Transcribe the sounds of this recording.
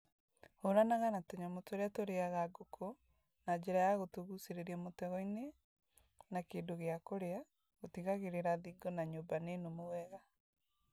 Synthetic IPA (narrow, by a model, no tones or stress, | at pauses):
hoɾanaɣanatoɲamotoɾeatoɾeaɣaɡokʰo | nad͡ʑeɾajaɣotoɣuseɾeɾiamotɛɣɔine | nakeːndoɣeakoɾea | ɣotiɣaɣeɾeɾaðiɡɔnaɲobanenomowɛɣa